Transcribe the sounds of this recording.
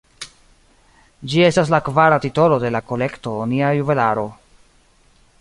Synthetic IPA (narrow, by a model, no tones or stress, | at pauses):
d͡ʒie̞stas̬lakvaɾatito̞lo̞de̞lako̞le̞kto̞ːniajuve̞laɾo̞